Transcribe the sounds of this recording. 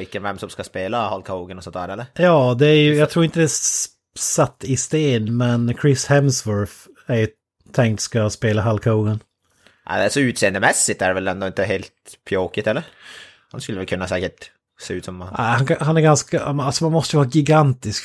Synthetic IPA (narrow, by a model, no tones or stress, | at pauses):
ɪkːənvɛmːsɔmskaspeːlahalkʰauːɡənɔsɔnt̪d̪æːɾɛlːəɾjɑːd̪ɛæɾjɵjjɑɡt̪ʰɾuːɾɪnt̪əd̪ɛ | sat̪ːɪst̪eːnmɛnkʰɾɪshɛmsvʊɾf | æɾjɵ | t̪ʰɛŋkt̪skaspeːlaɦalkʰaɡən | ʔæ̰d̪æsɔʉːt̪seːənd̪əmɛsːɪt̪æɖɛvɛlɛnd̪oɪnt̪əɦeːlt̪pʰjoːkɪt̪ʰɛlːəɾ | hanskɵlːəvɛlkʰɵnːasɛːkəʈ | seːʉːt̪sɔm̰hanhanæɾɡanskamnalsɔmanmɔst̪əjəʋɑːɡɪɡant̪ɪsk